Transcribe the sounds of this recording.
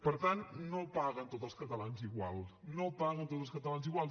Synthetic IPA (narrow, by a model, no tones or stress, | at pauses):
pəɾt̪annopaɣənt̪ot̪zəlˠskət̪əlanziɣwa̰lˠnopaɣənt̪ot̪əlˠskət̪əlanziɣwalˠ